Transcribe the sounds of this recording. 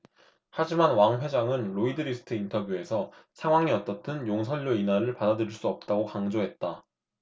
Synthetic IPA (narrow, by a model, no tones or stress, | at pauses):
had͡ʑimanwaŋɸwe̞d͡ʑaŋɯnɾoidɯɾisʰɯ̥tʰɯintʰʌbjue̞sʰʌsʰaŋɦwaŋiʌt͈ʌtʰɯnjoŋs̬ʰʌʎːoinaɾɯɭpadadɯɾiɭs͈uʌp̚t͈aɡokaŋd͡ʑoɦe̞t̚t͈a